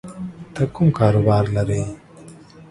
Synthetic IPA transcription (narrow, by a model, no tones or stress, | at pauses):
t̪ɐkʊmkaːɾobaːɾlɐɾej